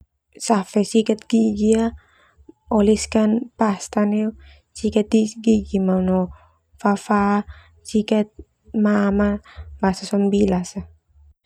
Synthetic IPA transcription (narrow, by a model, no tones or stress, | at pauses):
safɛsikat̪̚ɡ̥iɡia | ɔliskanpast̪aniu | sikat̪̚diɡiɡimaunɔ | fafa | sikat̪̚ | mamabasasɔmbilasa